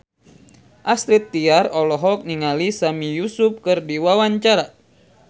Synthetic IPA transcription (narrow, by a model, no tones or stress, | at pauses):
ʔast̪ɾit̪ːiarɔlɔɦɔk̚niŋalisamijusup̚kɨrdiwawaɲt͡ʃaɾa